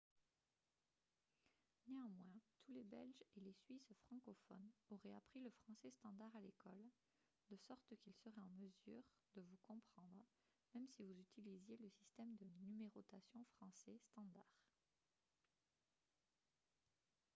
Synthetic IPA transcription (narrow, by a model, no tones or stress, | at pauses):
neɑ̃mwɛ̃t̪ʰulebɛ̰lʒelesɥisfχɑ̃kɔfɔ̰noʁɛapχiləfχɑ̃sɛst̪ɑ̃d̪aʁalekɔl | d̪əsɔʁt̪kilsəʁɛɑ̃məzy̰ʁ | d̪əvukɔ̃pχɑ̃d̪ʁə | mɛmsivuzyt̪ilizjeləsist̪ɛmd̪ənymeʁɔt̪asjɔ̃fχɑ̃sɛst̪ɑ̃d̪aʁ